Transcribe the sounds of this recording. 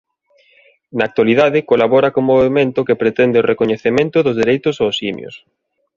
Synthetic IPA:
naːk̚t̪waliðaðɪkolaβɔɾɐkoŋmoβemẽnt̪ʊkepɾet̪ɛnd̪ɪorʔekoɲeθemẽnt̪ʊðʊzðeɾejt̪ʊsosimj̰o̰s

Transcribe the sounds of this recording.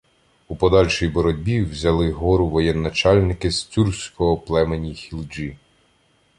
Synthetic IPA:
upɔd̪ɑlʲʃijbɔɾɔdʲbʲiwzʲɐlˠɪɦɔɾʊʋɔjɛnːɐt͡ʃɑlʲnɪkɪst͡sʲursʲkɔɦɔplˠɛmenʲixʲilˠd͡ʒi

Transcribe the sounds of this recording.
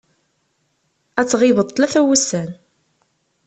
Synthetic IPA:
æt͡sːʁɪvət̪ˤːlæθæwəsːæn

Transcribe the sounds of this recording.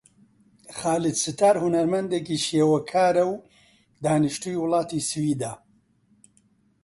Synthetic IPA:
χaːlɨd̪sɨt̪aːɾhunɐɾmɐnd̪ekiːʃeːwɐkʰaːɾɐw | d̪aːnɨʃt̪uiwʊlˠɑːt̪isɨwiːd̪a

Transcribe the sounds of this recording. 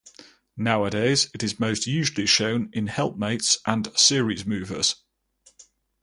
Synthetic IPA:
naʊədeɪzɪtɪzməʊstjʉːʒəliʃə̃ʊ̃nɪ̃nhɛlˠp̚meɪtsʔə̃nsɪəɹizmʉːvə̰z̥

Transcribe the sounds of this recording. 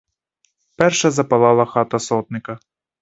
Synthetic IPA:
pɛrʃɐzɐpɐlˠɑlˠɐxɑt̪ɐsɔt̪nɪkɐ

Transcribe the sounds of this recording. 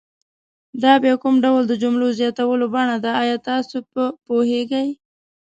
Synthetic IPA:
d̪ɑbjekʊmɖawld̪əd͡ʒʊmlozjɑt̪awəlobaɳad̪aːjɑt̪ɑsoəpoheɡaj

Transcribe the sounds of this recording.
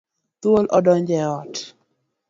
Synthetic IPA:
t̪wolʔɔdɔɲd͡ʒɛɔt

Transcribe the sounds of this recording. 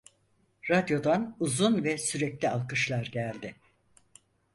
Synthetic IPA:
ɾad̪jo̞d̪anuzunvɛsyɾɛclʲialˠkɯʃlˠaɾɟælʲd̪ɪ

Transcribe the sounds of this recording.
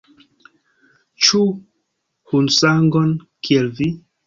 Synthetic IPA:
t͡ʃu | hunsaŋɡon | kʰielvi

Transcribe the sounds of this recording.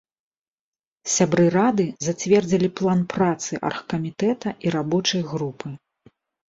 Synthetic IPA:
sʲabɾɨɾad̪ɨzat͡sʲvʲɛrd͡zʲilʲiplˠanpɾat̪sɨʔɐ̰rxɐ̥kɐmʲit̪ɛt̪ɐʔiɾabɔt͡ʂɐjɣɾupʰɨ

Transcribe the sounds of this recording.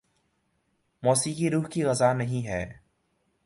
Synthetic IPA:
mɔːsikiɾuːɦkiɣɐzaːnɐɦĩɦɛː

